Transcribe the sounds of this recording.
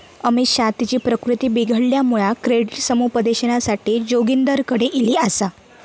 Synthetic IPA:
əmiɕat̪it͡ɕiːpɾəkɾut̪iːbiɡʱəɽljamuɭakɾeɽiʈsəmupəd̪eɕənasaʈiːd͡ʑoɡind̪əɾkəɽeʔiliːəsa

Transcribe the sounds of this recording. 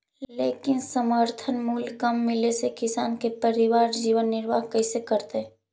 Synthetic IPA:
leːkɪnsəməɾt̪ʰənmuːlkəmːɪlesekɪsaːnkepəɾɪʋaːɾd͡ʒiːʋənːɪɾʋa̰ːɦkɐɪsekəɾt̪eɦ

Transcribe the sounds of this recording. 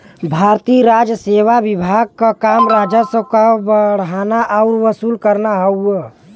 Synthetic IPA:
bʱaːɾt̪iɾaːd͡ʒəseːʋaʋɪbʱaːɡ̚kakaːmɾaːd͡ʒəsəkabəɽ̤ɦaːnaʔaʊɾʋəsuːlkəɾnaɦəu

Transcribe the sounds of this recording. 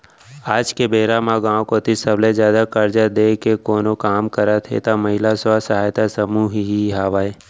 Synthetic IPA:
aːd͡ʒkebeːɾamaɡãːõkot̪isɐblezjaːd̪akɐɾd͡ʒad̪eːkekoːnokaːmkəɾat̪ʰḛt̪amɐɦɪlasasɐɦaːjt̪asəmuːɦɦiɦaːʋaːe

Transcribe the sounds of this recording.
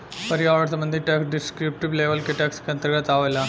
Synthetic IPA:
pɐɾijaːʋɐɽs̬ɐmbɐnd̪ʱiʈɐksɖiskɾip̚ʈibleːʋɐlkːɨʈɐkskɐnt̪ɐɾɣɐt̪aːʋɐlːɐ

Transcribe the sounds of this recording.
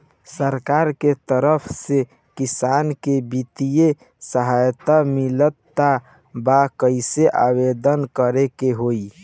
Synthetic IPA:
səɾkaɾket̪əɾəpʰse | kisankebit̪ije | səɦajt̪amilət̪ːa | bakəɪseʔa̰bed̪ənkəɾekeɦoi

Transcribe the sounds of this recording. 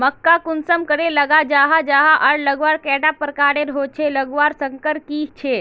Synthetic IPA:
məkːakʊnsəmkəɽelɐɡad͡ʒaːɦad͡ʒaːɦaʔɐɽləɡʋaːɾkɛːɖapəɾkaːɽeɾɦot͡ʃʰeləɡʋaɾsəŋkəɾkiːt͡ʃʰe

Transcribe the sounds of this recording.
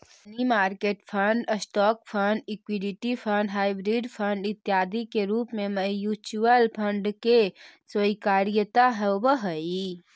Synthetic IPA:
nimaːɾkeːʈpʰəɳɖəsʈɔːkpʰəɳɖɪkwiɖɪʈipʰəɳɖɦaːɪbɾiɖpʰəɳɖɪt̪jaːd̪ʱikeɾuːpmẽməjuːt͡ʃuəlpʰəɳɖkeswəikaːɾɪjət̪aɦɛbəɦəi

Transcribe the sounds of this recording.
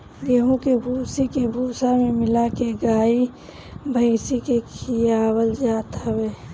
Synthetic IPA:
ɡeɦõkebʱuːsikebʱuːsamẽmɪlakeɡaːi | bʱəɪsikekʰijaːwəld͡ʒaːt̪ʰawe

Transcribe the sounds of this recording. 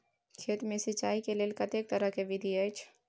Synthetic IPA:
kʰeːt̪mẽsɪt͡ʃaːikeleːlkɐt̪eːk̚t̪ɐɾəɦkeʋɪd̪ʱiət͡ʃʰ

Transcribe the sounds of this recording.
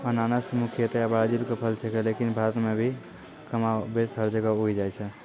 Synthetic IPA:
ənanasəmukʰjət̪eəbaɽad͡ʒiɾkepʰəlt͡ʃʰekelekinbʱaɾət̪mebʱi | kəmabesɦəɾd͡ʒəɡəuid͡ʒajt͡ʃʰɛ

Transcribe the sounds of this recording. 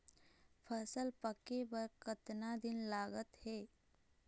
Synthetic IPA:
pʰəsəlpəkebəɾkət̪nad̪ɪnlaːɡət̪hɛː

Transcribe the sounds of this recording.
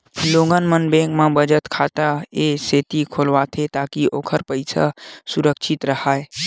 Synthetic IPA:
loːŋɡənmənbẽkmẽbəd͡ʒət̪kʰaːt̪aeseːt̪ikʰolʋat̪ʰet̪aːkiʔoːkʰəɾpəɪsa̰suɾəkʃʰɪt̪ɾəhaːe

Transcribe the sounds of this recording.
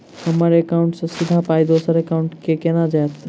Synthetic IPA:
hɐmaːɾeɐkaːʊ̃ɳʈsɐ̃sɪd̪ʱapaːid̪oːsəɾekaʊ̃ɳʈkekeːnad͡ʒaːt̪

